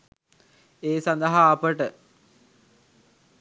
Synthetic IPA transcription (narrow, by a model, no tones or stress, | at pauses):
eːsand̪ɐɦaːpəʈə